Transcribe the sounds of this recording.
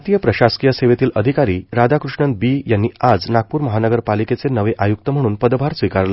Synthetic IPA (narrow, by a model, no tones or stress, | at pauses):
t̪ijəpɾəɕaskijəseʋet̪iːlʔəd̪ʱikaɾiːɾad̪akɾuʂɳənt̪̚biːjanːiːad͡znak̚puːɾməɦanəɡəɾpaliket͡senəʋeʔajuk̚t̪əm̤əɽ̃uːnpəd̪bʱaɾsʋikaɾlə